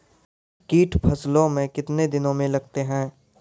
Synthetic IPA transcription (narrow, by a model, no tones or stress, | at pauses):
kiːʈʰpʰɐslõmẽkɪt̪ned̪ɪnõmẽlɐɡ̚t̪eɦɛ̃ː